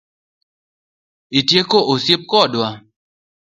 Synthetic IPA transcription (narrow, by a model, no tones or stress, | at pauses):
itjekoʔosjep̚kɔdwa